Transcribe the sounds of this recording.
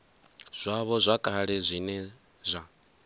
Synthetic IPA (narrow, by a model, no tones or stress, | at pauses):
z̥ʷaβɔzʷakʼaɺɛzʷinɛ | zʷa